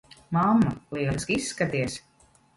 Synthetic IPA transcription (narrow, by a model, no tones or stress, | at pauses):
mamːaliɛskisːkat̪iɛs